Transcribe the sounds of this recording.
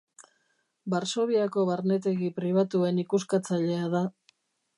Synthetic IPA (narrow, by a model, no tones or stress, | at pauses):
baɾso̞β̞iako̞βaɾne̞t̪e̞ɣipɾiβ̞at̪ue̞nikuskat͡saʎe̞aða